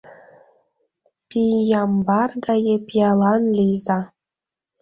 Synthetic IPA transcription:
pʲijɑmbɑrɡɑjepʲjɑlˠɑnlʲijzɑ

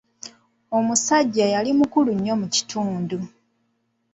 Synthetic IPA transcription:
o̞musaɟːajalimukuluɲːo̞muci̥tʰuːndu

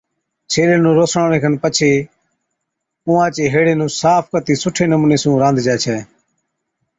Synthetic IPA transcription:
t͡ʃʰeːleːnũːɾoːsɳaːɽẽːkənpət͡ʃʰeː | ʊ̃ːãːt͡ʃeːɦeːɽeːnũːsaːpʰkət̪iːsʊʈʰeːnəmuːneːsũːɾãːnd̪d͡ʒɛːt͡ʃʰɛː

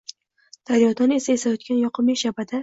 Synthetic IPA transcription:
d̪̥aɾjɒd̪ɒne̞saesajɒt̪̚kʲanjɒqʰɨmiʃabad̪a

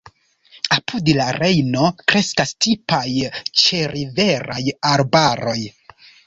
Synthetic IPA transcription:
apʰudlaɾe̞jno̞kɾe̞skastipajt͡ʃe̞ɾive̞ɾajaɾbaɾo̞j

